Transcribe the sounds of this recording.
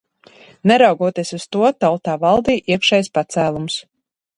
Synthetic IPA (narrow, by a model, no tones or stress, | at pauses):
nɛɾawɡuɔt̪iɛsust̪uɔt̪alˠt̪aːvɑlˠd̪iːʔiɛəkʃɛjspat̪sæːlˠums